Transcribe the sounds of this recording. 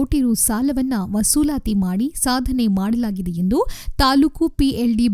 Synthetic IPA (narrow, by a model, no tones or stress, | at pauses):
oːʈiɾusaːlɐʋɐnːɐʋɐsuːlaːt̪imaːɽisaːd̪ʱɐne̞maːɽɐlaːɡid̪ejend̪ut̪aːluːkupielɖib